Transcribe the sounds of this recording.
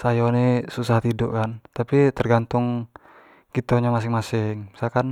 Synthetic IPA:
sajɔnisusaht̪idɔ̰ʔkant̪apit̪ərɡant̪ʊŋ | kit̪oɲamas̬ɪŋmasɪŋmsakan

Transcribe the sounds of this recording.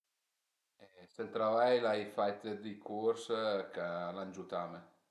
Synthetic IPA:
ɛsent̪ɾavajlajfajt̪əd̪ikʰuɾskaland͡ʒut̪ame

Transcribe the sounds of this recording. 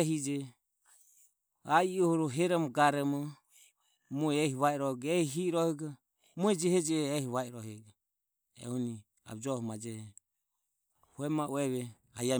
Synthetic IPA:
ɦid͡ʒɛ | aiɔhɔɾɔɦɛɾɔmɔɡaɾɛmɔ | muɛɛhiβaɛɾɔɡɛhɦiɾɔhɛɡa | muɛd͡ʒɛhɛd͡ʒɛːhiβaɛɾɔhɛɡa | ɛ̰huni | a̰bd͡ʒɔhɔmad͡ʒɛhɛ | huɛmaʔuɛβɛ | haja

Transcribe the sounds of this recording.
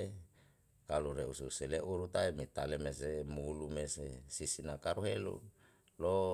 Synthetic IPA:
e | kaluɾeususeleʔuɾut̪aimit̪alemesemulumesesisinakaɾuɦelṵ | lo

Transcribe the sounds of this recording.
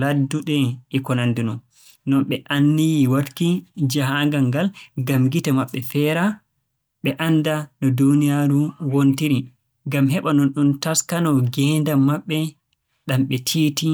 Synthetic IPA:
laduɗɛikɔnandinɔ | nɔnɓɛʔanːijiwatkid͡ʒaɦaŋɡaŋɡalɡamɡitamaɓːɛfɛːɾa | ɓɛʔandanɔdunijaɾuwontiɾi | ŋɡamɦɛɓanɔnɗuntaskanɔɡɛndamaɓːɛ | ɗamɓɛtʰiːti

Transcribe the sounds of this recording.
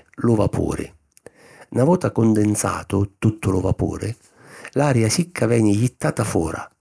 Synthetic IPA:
lʊvapʰṵːɾɪ̰ | navɔːt̪akʊnd̪ɪnt̪sa̰ːt̪ʊt̪ut̪ʰːʊlʊvapṵːɾɪ | laːɾjasikʰːavɛːnɪjit̪ːaːt̪afɔːɾa̰

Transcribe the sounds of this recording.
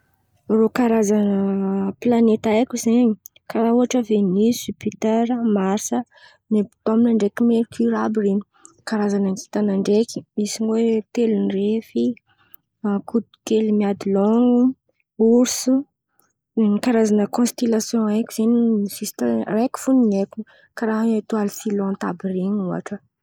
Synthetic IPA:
rokaɾazanəplanet̪ajkʲuzeɲikaɾauɦaʈ͡ʂəvenisipit̪eɾəmaɾsə | nebi̥t̪ominaɳɖ͡ʐekimeɾkiɾabireɲi̥ | kaɾazanaŋɡi̥t̪anaɳɖ͡ʐekʲi̥misiɲiwet̪elinrefi | kut̪u̥kelimiad̪ilɔŋu | uɾsu | kaɾazanəkɔ̃st̪elasjɔ̃akʲiz̥eniisist̪areku̥funineku | kaɾaɦanet̪ualisilɔ̃t̪abireɲua̰ʈ͡ʂə

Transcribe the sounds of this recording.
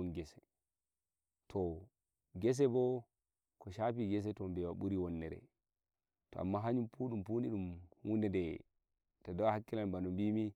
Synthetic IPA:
unɡɛsɛ̥ | tʰɔ | ɡɛs̬ɛbɔ | kɔʃapiɡɛs̬ɛtɔmbɛwaɓuɾiwɔnːɛɾɛ̰ | tɔ̰ʔa̰mːaɦaɲumpuːɗumpuniɗumhundɛdɛ | tadawahakːilanbanɔmbimi

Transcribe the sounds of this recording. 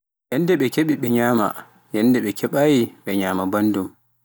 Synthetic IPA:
jɛndɛɓɛkeɓiɓɛɲaːma̰ | jɛndɛɓɛkʰɛɓaːjiɓɛɲaːmabandum

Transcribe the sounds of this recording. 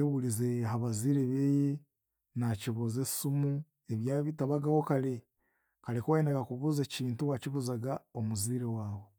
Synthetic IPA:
eβulizeɦaβaziːɾeβeje | naciβuzesumu | eβjaːβitaβaɡawokale | kalekowenaɡakuβuzeciːntuwaciβuzaɡaomuziːɾewaːwo

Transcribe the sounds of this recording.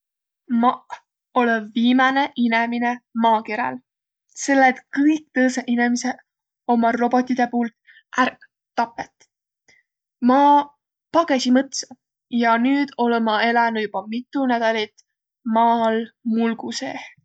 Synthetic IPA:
mɑʔ | o̞levviːmɑne̞ʔineminemɑːkeɾḛl | se̞lːet̪kɤjkt̪ɤːseʔinemise | o̞mɑro̞b̥o̞t̪ʲːˑid̪̥e̞puːlt̪ | ʔærk̪ː | ɑpːˑet̪ | mɑː | pɑɡ̥esimɤt̪sɑ | jɑnyːd̪̥o̞lemɑelɑnu̥jub̥ɑmit̪ːˑunæd̪̥ɑlit̪ | mɑːlmulɡ̥usḛ

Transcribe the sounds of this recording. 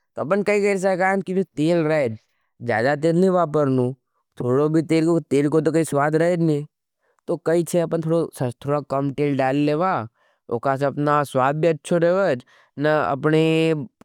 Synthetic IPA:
t̪oɐpənkɐiɡəɾs̬əkaːnkibit̪eːlɾəed͡ʒ | d͡ʒja̰ːd̪at̪̬eːlnĩʋaːpəɾnũː | t̪ʰoːɽobʱit̪eːlkot̪eːlkot̪̬ok̬ɐiswaːd̪ʱɾəed͡ʒnĩː | t̪okɐit͡ʃʰeɐpənt̪ʰoːɽosət̪ʰoːɽakəmʈeːlɖaːlːeːʋaː | o̰ːkas̬eɐpnaswaːd̪̚biɐtːʃʰoɾeʋəd͡ʒ | nəɐ̰pne

